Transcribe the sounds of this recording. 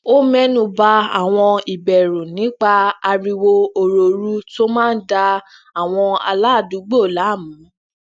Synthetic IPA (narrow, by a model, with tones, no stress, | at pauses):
o˦mɛ˦nũ˦˨ba˧a̰˦˨w̃ɔ̃˧i˨bɛ˨ɾũ˨nĩ˨˦k͡pa˦a˧ɾi˧wo˧o˧ɾo˨ɾu˦to˦mãː˦n̩˦da˧ | a˨w̃ɔ̃˧a̰˧la˦˨du˨˦ɡ͡bo˦˨la˨˦˨mũ˨˦